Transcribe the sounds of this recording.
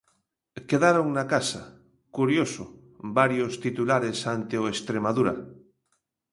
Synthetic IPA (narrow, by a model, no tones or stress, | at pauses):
keðaɾoŋnakasa | kuɾjoso | baɾjost̪it̪ulaɾesant̪eoest̪ɾemað̞uɾa̰